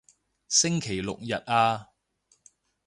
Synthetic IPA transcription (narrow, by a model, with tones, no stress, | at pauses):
sɪ˥ŋkʰe˨˩jlʊ̰˨k̚jɐ˨t̚ʔaː˧